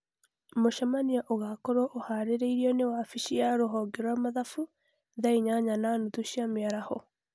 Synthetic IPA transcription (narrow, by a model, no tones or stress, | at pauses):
moʃamaniaʔoɣakɔɾwɔʔohaɾeɾeiɾiɔnewafiʃiaɾoɦɔɡɛɾwamaðafu | ðaiɲaɲananutuɕiameaɾahɔ